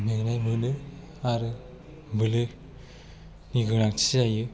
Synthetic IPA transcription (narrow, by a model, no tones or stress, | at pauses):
meŋnajmɯnɯ | aɾɯ | bɯlɯ | niɡɯnakt͡ʃʰizajɯ